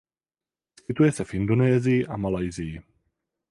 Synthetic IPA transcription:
skɪt̪ujɛsɛfʔɪndonɛːzɪjɪʔamalajzɪjɪ

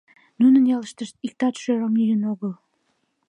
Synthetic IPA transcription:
nunə̆njɑləʃt̪əʃt̪̚ik̚t̪ɑt̪ʃøɾəmyjənoɣəl

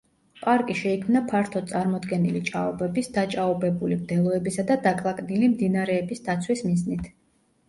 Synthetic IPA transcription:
pʼaɾkʼiʃɛikʰmnapʰaɾt̪ʰɔt̪sʼaɾmɔd̪ɡɛnilit͡ʃʼaɔbɛbisd̪̥at͡ʃʼaɔbɛbulimd̪ɛlˠɔɛbisad̪ad̪akʼlˠakʼnilimd̪inaɾɛːbisd̪at̪sʰwismiznit̪ʰ

